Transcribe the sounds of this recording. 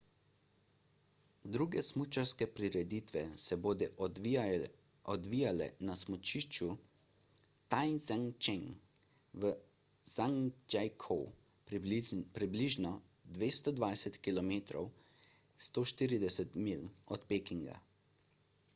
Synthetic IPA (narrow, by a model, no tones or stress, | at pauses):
d̪ɾuːɡɛsmut͡ʃaɾskɛpɾiɾɛd̪it̪ʋɛsɛboːd̪ɛʔ | ɔd̪ʋiːjalɛ̰nasmɔt͡ʃiʃt͡ʃu | t̪ajnzaŋt͡ʃeŋ | ʋə | zaŋd͡ʒajkʰɔw | pɾibliʒnɔ | d̪ʋeːst̪ɔd̪ʋajsɛt̪kilɔmeːt̪ɾɔ̰w | st̪oːʃt̪iːɾid̪ɛsɛt̪milɔt̪peːkiŋɡa̰